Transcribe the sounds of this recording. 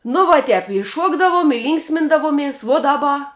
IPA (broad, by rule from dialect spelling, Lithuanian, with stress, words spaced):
nʊ ʋuɔ ˈtʲɛp ɪ ˈʃuɔɡdɐʋʊm ɪ ˈlʲiːŋksʲmʲɪndɐʋʊmʲiɛs ʋuɔ dɐˈbɐ